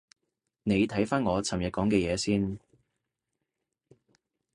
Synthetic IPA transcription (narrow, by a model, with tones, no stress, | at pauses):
ne˨˧jt̪ʰɐ˨˥jfaː˥nŋɔː˨˧t͡sʰɐ˨˩mjɐ˨kɔː˨˥ŋkɛː˧jɛː˨˧siː˥n